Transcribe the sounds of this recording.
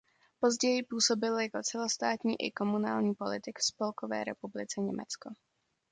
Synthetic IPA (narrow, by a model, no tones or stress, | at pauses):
po̞zɟɛjɪpuːso̞bɪljako̞t͡sɛlost̪aːt̪ɲiːʔɪ̰ko̞munaːlɲiːpo̞lɪt̪ɪkfspo̞lkovɛ̰ːɾɛpublɪt͡sɛɲɛ̰mɛ̰t͡sko